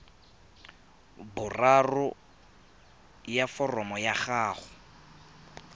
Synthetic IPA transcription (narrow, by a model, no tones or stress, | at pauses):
bʊrarʊ | jafɔrɔmɔjaχaːχʊ